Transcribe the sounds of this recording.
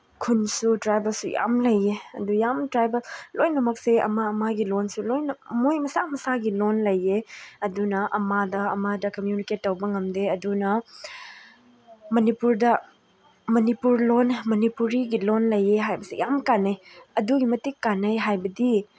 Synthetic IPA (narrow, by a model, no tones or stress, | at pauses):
kʰunsutɾajbɐlsuja̰mlɐjːeɐ̰dujamtɾajbɐllojnɐmɐk̚seɐ̰maɐmaɡilonsulojnɐmojmɐsamɐsaɡilonlɐjːeɐdunɐʔɐmadɐːmadɐkɐmjuniket̚ːɐwbɐŋɐmdeɐdunɐ | mɐnipuɾdɐ | mɐnipuɾlonmɐnipuɾiɡilonlɐjeɦajbɐsḭjamkanːɐjɐduɡimɐtikːanːɐjɦajbɐdi